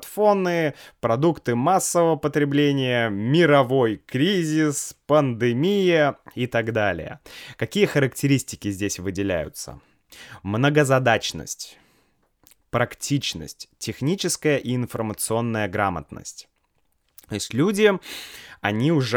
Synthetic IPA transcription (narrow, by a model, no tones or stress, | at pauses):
t̪fo̞nɨpɾɐd̪ukt̪ɨmasːəvəvəpət̪ɾʲɪblʲenʲɪjəmʲɪɾɐvo̞jkɾʲizʲɪspənd̪ɨmʲijəit̪aɡd̪alʲɪ̰jə̰kɐkʲijəxəɾəktʲɪɾʲisʲtʲɪ̥kʲɪzʲdʲesʲvɨdʲɪlʲæ̰jʊ̰t̪sə̰ | mnəɡəzɐd̪at͡ɕnə̰sʲtʲ | pɾɐktʲʰit͡ɕnə̰sʲtʲtʲːɪxnʲit͡ɕɪskəjəʔiɪnfərmət̪sɨo̞nːəjəɡɾamə̰t̪nə̰sʲtʲ | t̪osʲtʲlʲudʲɪ | ɐnʲiʊʐ